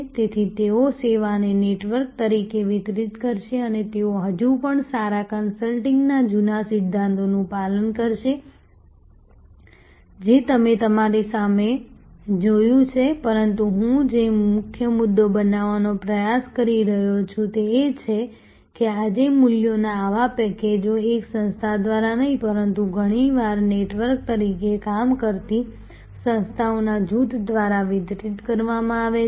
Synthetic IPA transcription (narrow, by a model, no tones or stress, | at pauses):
t̪et̪ʰit̪eoseʋaneneʈʋəɾk̚t̪əɾikeʋɪt̪ɾit̪kəɾʃeənet̪eoɦəd͡ʒũpəɳsaɾakənsəlʈɪ̃ŋɡnad͡ʒunasɪd̪ʱːãnt̪onũpalənkəɾʃe | d͡ʒet̪əmet̪əmaɾisamed͡ʒojũt͡ʃʰepəɾənt̪uɦũd͡ʒemʊkʰjəmʊd̪ːobənaʋanopɾəjaskəɾiɾəɦot͡ʃʰũt̪eːt͡ʃʰe | kead͡ʒemuljonaːʋapɛked͡ʒoeksə̃nst̪ʰad̪ʋaɾanəɦĩpəɾənt̪uɡʱəɽ̃iʋaɾneʈʋəɾk̚t̪əɾikekamkəɾt̪i | sə̃nst̪ʰaonad͡ʒut̪d̪ʋaɾaʋid̪ɾiʈkəɾʋamãaʋe